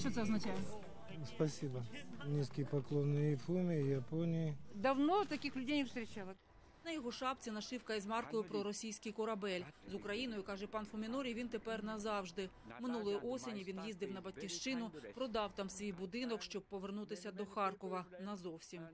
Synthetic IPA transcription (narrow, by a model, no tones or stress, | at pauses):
ʃt͡ʃot̪ɛɐznɐt͡ʃæjɪ | spɐsʲibɐnʲiskʲɪjpɐklˠonːɨjɪfumʲɪjɐponʲɪjɪd̪ɐwnot̪ɐkʲixlʲʊdʲejnʲɪfst̪ɾʲɪt͡ɕalˠ | nɐjɔɦɔʃɑp̚t͡sʲinɐʃɪwkɐizmɑrk̪ɔjʊpɾɔɾɔsʲijsʲkʲɪjkɔɾɐbɛlʲzʊkɾɐjinɔjʊkɑʒɛpɑnfʊmʲɪnɔɾʲijʋʲint̪epɛrnɐzɑwʒd̪ɪ | mɪnulˠɔjʊʔɔsʲenʲiʋʲinjizd̪ɪwnɐbɐt̚ʲkʲiwʃt͡ʃɪnʊpɾɔd̪ɑwt̪ɑmsʋʲijbʊd̪ɪnɔkʃt͡ʃɔb̚pːɔʋernut̪ɪsʲɐd̪ɔxɑrkɔʋɐnɐzɔwsʲim